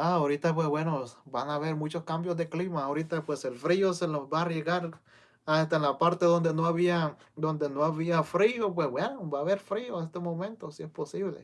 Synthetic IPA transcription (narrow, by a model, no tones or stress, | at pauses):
aoɾit̪apwezβwe̞no̞banaβe̞ɾmut͡ʃo̞skambjozðe̞klimaoɾit̪apwe̞se̞lfɾioselozbaːrjeɣaɾ | ast̪aenlapaɾt̪e̞ðo̞nd̪e̞noaβia | d̪o̞nd̪e̞noaβiafɾiop̬wezbwenobaːβe̞ɾfɾio̞nest̪emõ̞mẽnt̪o̞sie̞spo̞siβlḛ